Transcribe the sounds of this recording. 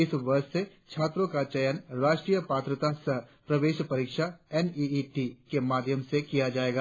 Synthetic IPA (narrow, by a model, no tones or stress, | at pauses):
ɪsʋɐɾʃse | t͡ʃʰaːt̪ɾõkat͡ʃɐjənɾaːʃʈɾijəpaːt̪ɾət̪asɐpɾɐʋeːʃpɐɾiːkʃaɛniiʈikemaːd̪ʱjəmsekijad͡ʒaːeːɡaː